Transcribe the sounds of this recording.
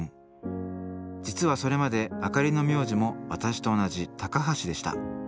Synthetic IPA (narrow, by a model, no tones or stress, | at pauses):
d͡ʑit͡sɨβaso̞ɾe̞mad̪e̞akaɾʲino̞mʲjo̞ːʑimo̞βat̪aɕi̥t̪o̞ːnaʑit̪akaɦaɕid̪e̞ɕi̥t̪a̰